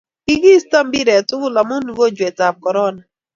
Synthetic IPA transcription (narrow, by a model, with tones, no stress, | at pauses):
i˦ɡi˦sta˦m̩˦bi˦ɾe˨tʊ˦ɣʊ˦la˨mʊ˦nu˨ɡo˦d͡ʒe˨ta˨kɔ˨ɾɔ˦na˨